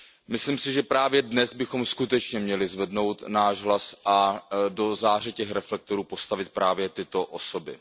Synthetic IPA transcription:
mɪslimsɪʒɛpɾaːvjɛdnɛzbɪxo̞mskut̪ɛt͡ʃɲɛmɲɛlɪzvɛdno̞wt̪naːʒɦlasʔado̞zaːr̝ɛcɛxɾɛflɛk̚t̪oɾuːpo̞st̪avɪt̪̚pɾaːvjɛt̪ɪt̪o̞ʔosobɪ̰

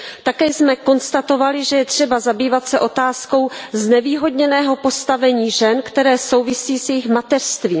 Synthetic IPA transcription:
t̪akɛːjsmɛko̞nst̪at̪o̞valɪʒɛjɛt̪r̝̥ɛbazabiːvat̪sɛʔo̞t̪aːsko̞wznɛviːɦo̞dɲɛnɛːɦo̞po̞st̪avɛɲiːʒɛnkt̪ɛɾɛːso̞wvɪsiːsjɛjɪxmat̪ɛr̥st̪viːm

